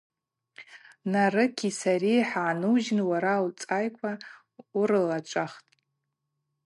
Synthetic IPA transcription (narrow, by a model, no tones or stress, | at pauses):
narɨkʲʰisaɾiħaːnɨwʒɪnwaɾalt͡sʼajkʷʼa | uɾɨlat͡ʃʷʼaχtʼ